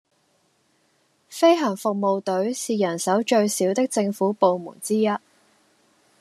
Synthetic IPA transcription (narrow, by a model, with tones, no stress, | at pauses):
fe˥jɦɐ˨˩ŋfʊ˨k̚mo˨wt̪ɵ˨˥ɥsiː˨jɐ˨˩nsɐ˨˥wt͡ʃɵ˧ɥsiː˨˥wt̪ɪ˥k̚t͡sɪ˧ŋfuː˨˥po˨˧wmṵː˨˩nt͡siː˥jɐ˥t̚